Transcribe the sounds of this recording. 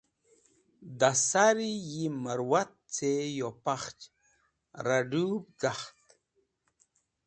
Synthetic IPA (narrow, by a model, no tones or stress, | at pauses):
d̪asaɾijiməɾwat̪̚t͡sejopaχt͡ʃ | ɾaɖub̚ɡaχt̪